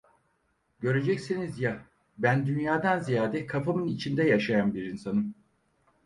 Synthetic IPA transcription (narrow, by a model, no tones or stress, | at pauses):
ɟø̞ɾe̞d͡ʒɛcsinizja | bænd̪ynjaːd̪anzijaːd̪ɛkʰafamɯnit͡ʃʰind̪ɛjaʃajanbiɾinsanɯm